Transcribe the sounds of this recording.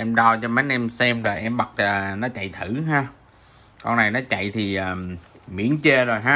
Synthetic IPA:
ʔɛ˧mɗa˧wt͡ɕɔ˧ma˨˦jʔɛ˧msɛ˧mlaː˨˩ʔɛ˧mɓa˨˩t̚əː˨˩nɔ˨˦t͡ɕa̰˧˨jt̪ʰɨ˧˩ɦaː˧ | kɔ˧nna˨˩jnɔ˨˦t͡ɕa̰˧˨jt̪ʰi˨˩ʔaː˨˩mḭ˧˥ənt͡ɕe˧zo˨˩jɦaː˧

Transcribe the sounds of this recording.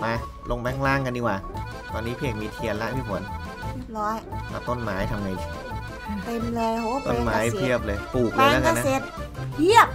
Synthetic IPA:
pa˧ | lo˧ŋbɛ˦˥˩ŋlaː˥˩ŋka˧ndiː˧˩kwaː˨˩ | t̪ɔː˧nːiː˦˥pʰi˧˥˩əkmiː˧t̪ʰi˧ənla˦˥pʰiː˥˩pʰu˨˩˦ən | ɾi˧˩t̪̚ɾɔː˦˥jla̰˧˩t̪o˥˩nmaː˩˦˥jt̪ʰa˧mːa˧˩j | t̪e˧mlɤː˧jo˦˥t̪o˥˩˨nmaː˧˨˦jp̪ʰi˥˩əp̚lɤː˧jpʰuː˨˩k̚lːjla˦˥ka˧na˦˥se˨˩t̪̚pʰi˥˩əp̚

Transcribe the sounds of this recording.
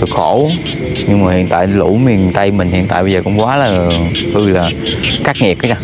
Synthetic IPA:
ɨ˨˩ək̚xo˧˩˦ | ɲɨ˧ŋmaː˨˩hḭ˧˨ənt̪a̰ː˧˨jlu˧˩mi˨˩t̪a˧jmï˨˩ŋ̟hḭ˧ənt̪a̰ː˧˨jɓə˧zəː˨˩kʊ̰˧˥ŋ͡mkwaː˨˦laː˨˩t̪ɨ˧˩laː˨˩kaː˦˥k̚ŋɛ˨˩k̚ːa˨˦aː˧˩

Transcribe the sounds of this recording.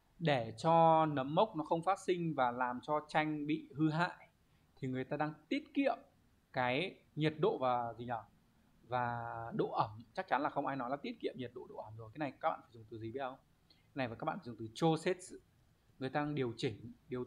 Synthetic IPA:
ɗe˧˩t͡ɕɔ˧nə˨˦mːə˦˥wk͡p̚nɔ˨˦xə˧wŋ͡mfaː˦˥t̚sï˧ŋ̟vaː˨˩laː˨˩mt͡ɕɔ˧t͡ɕa˧jŋ̟ɓḭ˧˨hɨ˧ɦa̰ː˧˨j | t̪ʰi˨˩ŋɨ˨˩əjt̪aː˧aː˧ŋt̪i˦˥ət̚kḭ˧˨əm | kaː˨˦j | ɲi˨˩t̚ɗo̰˧˨vaː˨˩zi˨˩ə˧˩ | vaː˨˩ɗo̰˧˨ʔə˧˩mt͡ɕa˦˥k̚t͡ɕa˨˦nlaː˨˩xə˧wŋ͡mʔaː˧jnɔ˨˦jlaː˧˦t̪i˦˥ət̚kḭ˧˨əmɲi˨˩t̚ɗo̰˧˨ɗo̰˧˨ʔə˧˩mzo˨˩kaː˨˦na˨˩jka˦˥ɓa̰ː˧˨fa˧˩zʊ˨˩ŋ͡mt̪ɨ˨˩zi˨˩ɓət̚ə˧wŋ͡m | na˨˩jvaː˨˩kaː˦˥ɓa̰ː˧˨fa˧˩˨ŋ͡mt̪ɨ˨˩t͡ɕo˧se˦˥t̚s | ŋɨ˨˩əjt̪aː˧aː˧ŋɗi˨˩əwt͡ɕï˧˩ŋ̟ɗi˨˩əw

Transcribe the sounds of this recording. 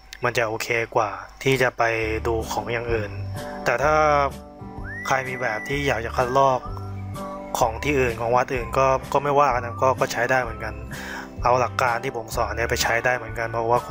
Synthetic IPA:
ma˧nt͡ɕa˨˩ʔoː˧kʰeː˧kwaː˨˩t̪ʰiː˥˩t͡ɕa˨˩pa˧jduː˧kʰɔː˩˦ŋjaː˨˩ŋʔɯː˨˩nt̪ɛː˨˩t̪ʰaː˥˩ | kʰa˧jmiː˧bɛː˨˩p̚t̪ʰiː˥˩jaː˨˩k̚t͡ɕa˨˩kʰa˥˩t̪̚lɔː˥˩k̚ʰː | ɔː˩˦ŋt̪ʰiː˥˩ʔɯː˨˩nkʰɔː˩˦ŋwa˦˥t̪̚ʔɯː˨˩nkɔː˥˩kɔː˥˩ma˥˩jwaː˥˩kʰa˧˩na˦˥kɔː˥˩kɔː˥˩t͡ɕʰa˦˥jdaː˥˩jmɯ˩˦ənka˧n | ʔa˧wla˨˩kːaː˧nt̪ʰiː˥˩pʰo˩˦msɔː˨˩˦ni˦˥˩pa˧jt͡ɕʰa˦˥jdaː˥˩jmɯ˩˦ənka˧npʰɔ˧˥˨waː˥˩˧

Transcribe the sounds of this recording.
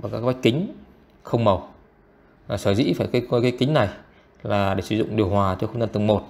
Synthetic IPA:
a˨˩kaː˦˥kɓa˦˥j̚kï˨˦ŋ̟ | xə˧wŋ͡mmə˨˩w | aː˨˩səː˧˩zḭ˧˥faː˧˩jka˨˦˧kaː˨˦jkï˨˦ŋ̟na˨˩j | laː˨˩ɗe˧˩sɨ˧˩zʊ̰˧˨ŋ͡mɗi˨˩əwhwaː˨˩t͡ɕɔ˧wxə˧ŋ͡mzaː˧nt̪ŋmo˨˩t̚

